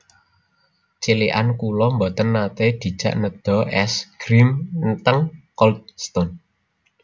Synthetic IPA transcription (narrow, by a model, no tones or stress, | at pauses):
t͡ʃiliʔa̰nkulɔmbɔt̪ənːat̪ed̪̥i̤̥ʒ̥a̤̰ʔnəd̪̥ɔ̤ʔɛsɡ̥ɾimnt̪əŋkɔlt̪̚st̪ɔn